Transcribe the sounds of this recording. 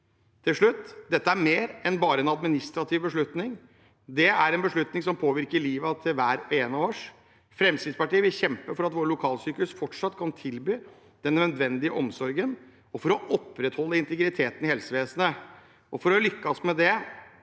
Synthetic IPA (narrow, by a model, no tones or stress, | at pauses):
t̪ʰɪlʂɭʉt̪ːd̪ɛt̪ːəæɾmeːɾɛnbɑːɾəɛnɑd̪mɪnɪst̪ɾɑt̪ʰɪʋbəʂɭʉt̪nɪŋ | d̪ɛæɾɛnbəʂɭʉt̪nɪŋsɔmpʰoːʋɪɾkəɭiːʋət̪ʰɪlʋæːɾeːnoːʂ | fɾɛmst̪ɪd̪spɑʈiːəʋɪlçɛmpəfɔɾɑt̪ʋoːʈɭʊkʰɑːlsyːkʉsfɔʈʂɑt̪ːkʰɑnt̪ʰɪlbyː | d̪ɛnnːœd̪ʋɛnd̪ɪəʔɔmsɔɾɡən | ɔfɔɾɔʔɔpːɾɛt̪hɔlːəɪnt̪əɡɾɪt̪ʰeːt̪ənɪhɛlsəʋeːsənə | ʔɔfɔɾɔlʏkːɑsmɛd̪ɛ